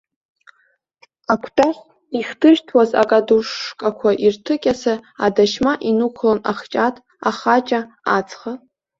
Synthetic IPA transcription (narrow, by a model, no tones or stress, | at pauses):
akʷʰtʼaχʲ | iχtʰɨʒtʰwaza̰kʼaduʂːkʼakʷʰaʔirtʰɨkʲʼasaadaʃmaʔinukʷʰlona̰χt͡ʃʼatʼ | aχat͡ʃʼa | at͡sʰʼχa